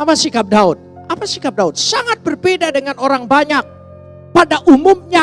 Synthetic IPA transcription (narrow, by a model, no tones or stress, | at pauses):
apasikap̚daʊt̪̚ | apasikap̚daʊt̪̚saŋat̪̚bərbedadəŋanoɾaŋbaɲak̚ | padaʔumʊmɲa